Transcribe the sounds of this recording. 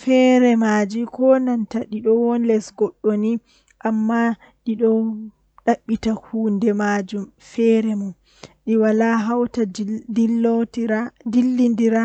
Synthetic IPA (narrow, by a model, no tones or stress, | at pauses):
fɛɾɛmad͡ʒikɔnantaɗiɗɔwɔnlɛsɡɔɗːoni | ʔamːa | ɗiɗɔ | ɗaɓːitahuːndɛmad͡ʒumfɛɾɛmɔ | ɗiwalaɦawtadilotdilːindiɾa